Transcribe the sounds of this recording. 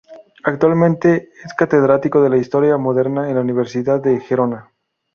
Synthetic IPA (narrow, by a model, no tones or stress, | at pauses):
ak̚t̪walmẽnt̪e̞eskat̪e̞ðɾat̪iko̞ðe̞laist̪o̞ɾjamo̞ðe̞ɾnaenlauniβe̞ɾsiðaðːe̞xeɾo̞na